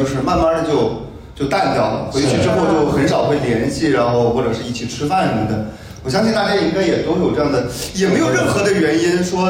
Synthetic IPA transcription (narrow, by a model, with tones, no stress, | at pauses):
o˧ʊʂɻ̩˥˧ma˥˧nma˥˧d̪ə˩t͡ɕjo˥˧ʊ | t͡ɕjo˥˧ʊt̪a˥˩nt̪jɑ˨˩ʊlxwɪ˥t͡ɕʰy˥˧ʈ͡ʂɻ̩˥˧˥xwɔ˥˧t͡ɕjo˥˩ʊxə˧˥nʂɑ˨˩ʊxwe˥˩ɪljɛ˧˥nɕi˥˩ɻa˧˥nxo˥˧ʊxwɔ˥˩ʈ͡ʂɤ˨˩ʂɻ̩˥˧i˥˩t͡ɕʰi˨˩ʈ͡ʂʰɻ̩˥fa˥˩nɻə˧˥mə˥˩nd̪ə̰˨˩˦ | wɔ˨˩ɕjɑ˥ŋɕi˥˧nt̪a˥˩t͡ɕja˥˧i˥ŋka˥ɪjɛ˨˩t̪o˥ʊjo˨˩ʊʈ͡ʂɤ˥˧jɑ˥˩ŋd̪ə˩jɛ˨˩me˧˥jo˨˩ʊɻə˥˩nxɤ˧˥d̪ə˧ɥɛ˧˥ni˥nʂwɔ˥